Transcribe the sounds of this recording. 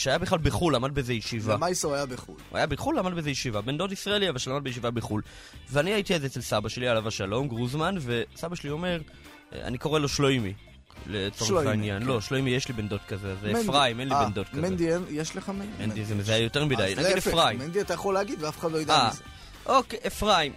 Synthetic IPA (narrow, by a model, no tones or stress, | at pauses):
ʃeajabeχlalbeχulamadbezejeʃivamajsoajabeχṵlua̰jabeχulːamad̚bezejeʃivabend̪o̞tisʁaeliavalʃelamad̚bejeʃivabeχul | veaniaitiezeet͡selsabaʃe̞lialavaʃalo̞mɡʁuzmanve̞sabaʃelio̞me̞ʁ̰ | a̰niko̞ʁelo̞ʃlojmi | let͡soainjanlo̞ʃlojmijeʃlibendo̞tkazeazeefʁaimenliend̪o̞tkkazend̪ienjeʃleχamemend̪izemezajajo̞teʁmidajnaɡidefʁaimend̪iat̪ajeχoleaɡid̪veafe̥χad̪loid̪a | ʔokeʔefʁaim